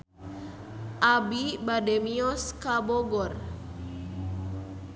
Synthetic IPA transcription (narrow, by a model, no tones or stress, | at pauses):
ʔabibademiɔskabɔɡɔr